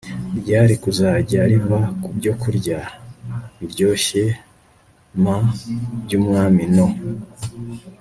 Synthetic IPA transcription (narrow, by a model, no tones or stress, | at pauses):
ɾɟaːɾikuzaːɟaːɾiβakubɟo̞kʰuɾɟa | ibɟo̞ːçe | mabɟuːmŋaːmino